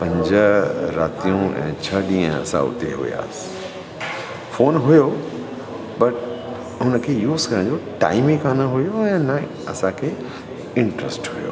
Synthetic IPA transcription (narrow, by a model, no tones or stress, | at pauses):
pɐ̃ɲd͡ʑəɾaːt̪ijũɛ̰̃ːt͡ɕʰɐɗĩːə̃ɐ̰sã̰ʊ̰t̪eɦʊ̰ja̰ːs | foːnɦʊjo | bɐʈ | ɦʊnəkʰejuːzkɐɾəɽ̃d͡ʑoʈa̰ːɪmikʰaːnəɦʊjoɛ̃ːnɐ | ɐsãkʰe | ɪ̃ɳʈɾəsʈɦʊjo̰ː